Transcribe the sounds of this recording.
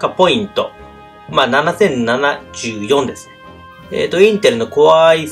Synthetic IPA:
kapo̞ĩnt̪o̞ | maːnanasẽ̞nnanaʑɨːjõ̞nd̪e̞sɨ̥n | ḛt̪oĩnt̪e̞ɾɯ̟no̞ko̞βai

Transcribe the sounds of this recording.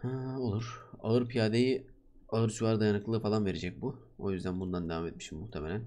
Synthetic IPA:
ho̞lˠuɾ̥a̰ɯɾpʰijaːd̪eji | aɯɾt͡ʃʰuvaɾd̪ajanɯklˠɯːfalˠanve̞ɾe̞d͡ʒɛc̚bu | o̞̰jyzd̪ænbund̪and̪e̞vamet̪̚miʃimːuht̪ʰemelʲæn

